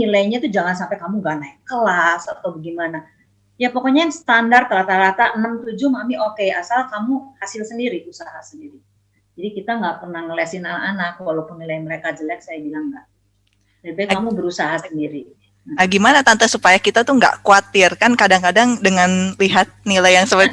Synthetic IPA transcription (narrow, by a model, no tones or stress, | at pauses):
nilaiɲat̪ud͡ʒaŋansampɛkamuɡaʔnaikəlasat̪awbəɡimana | japokoɲaansə̥t̪andart̪əɾat̪aɾat̪aʔənəmt̪ud͡ʒumamiʔokeasalkamuhasɪlsəndiɾiusaɦasəndiɾi | d͡ʒadikit̪aŋɡaʔpərnahŋəliasinanaʔanak̚walawpʊnːilajməɾekad͡ʒəlɛk̚sajabilaŋɡa̰ʔ | d͡ʒaibaikkamubəɾusaɦasəndiɾi | naaɡimanat̪ant̪asupajakit̪at̪uŋɡa̰ʔkuat̪ɪrkankadaŋkadaŋdəŋanliɦat̪̚nilajaŋsəət̪